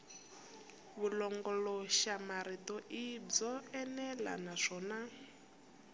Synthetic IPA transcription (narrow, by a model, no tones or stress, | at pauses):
βulɔŋɡɔlɔʃamaɾitɔʔib͡ʐɔɛnɛla̰naʂɔːna